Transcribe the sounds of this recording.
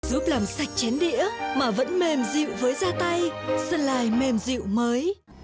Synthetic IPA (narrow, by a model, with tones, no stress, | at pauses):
zu˦˥p̚laː˨˩msa˨˩jk̟̚t͡ɕɛ˨˦nɗḭ˧˥əmaː˨˩və̰˧˥nme˨˩mzḭ˧˨wvəː˨˦jzaː˧t̪a˧jsə˧nlaː˨˩jme˨˩mzḭ˧˨wməː˨˦j